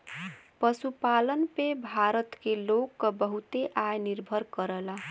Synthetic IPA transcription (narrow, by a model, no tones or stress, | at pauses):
pʌsupalʌnpebʱaɾʌt̪kelokːʌbʌɦut̪eʔajniɾbʱʌɾkʌɾʌla